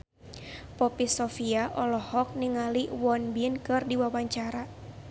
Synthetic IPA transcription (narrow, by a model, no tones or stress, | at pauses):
pɔpisɔfiaʔɔlɔhɔk̚niŋaliwɔnbinkɨrdiwawaɲt͡ʃaɾa